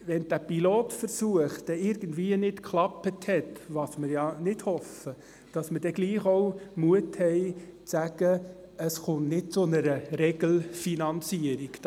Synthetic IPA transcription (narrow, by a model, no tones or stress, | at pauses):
ʋɛnd̥æpiloːtfəɾsuəχd̥ɛɪɾɡ̥ən̩dʋiːənɪtkʰlɑpəthɛtʋɑsməɾjɑnɪd̥hɔfə | d̥ɑsməd̥ɛɡ̥liːχoʊmuəthɛɪt͡sæɡ̥ə | əsχʊnnɪt̚t͡sʊnəɾəɾɛɡ̥l̩finɑnt͡siəɾik